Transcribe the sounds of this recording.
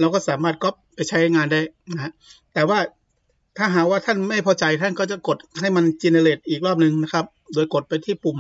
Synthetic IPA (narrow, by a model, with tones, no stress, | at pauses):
la˧wkɔː˥˩saː˩˦maː˥˩t̪̚kɔ˦˥p̚pːa˧jt͡ɕʰa˦˥jjŋaː˧nda˥˩jna˦a˦˥ʔt̪ɛː˨˩waː˥˩ | t̪ʰaː˥˩ɦaː˨˦˥k̚waː˥˩t̪ʰa˥˩nma˥˩jpʰɔː˧t͡ɕa˧jt̪ʰa˥˩nkɔː˥˩t͡ɕa˨˩ko˨˩t̪̚ha˥˩jma˧nt͡ɕi˧na˧le˨˩t̪̚ʔiː˨˩k̚ɾɔː˥˩p̚nɯ˧ŋna˦˥kʰa˦˥p̚doː˧jko˨˩t̪̚pa˧jt̪ʰiː˥˩pu˨˩m